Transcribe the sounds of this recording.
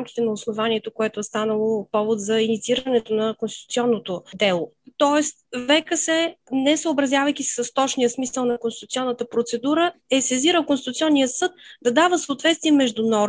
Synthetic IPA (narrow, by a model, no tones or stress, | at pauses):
amkʲi̥t̪ɛnɐosnovaniɛt̪okoɛt̪oɛst̪anəlˠopɔvot̪zɐinit̪siiɾənɛt̪onɐkonst̪it̪u̥t̪siɔnːot̪od̪ɛlˠot̪ɔɛst̪vɛkəsɛnɛsəobɾɐzʲjavəjkʲisi̥səst̪ɔt͡ʃnijəsmisəlˠnɐkonsit̪ut̪ʲiɔnːət̪əpɾot̪sɛd̪uɾəɛsɛziɾəlˠkonst̪it̪ut̪sʲɔnːijəsɤt̪̚d̪ɐd̪avəsoot̪vɛt̪st̪viɛmɛʒd̪unɔɾ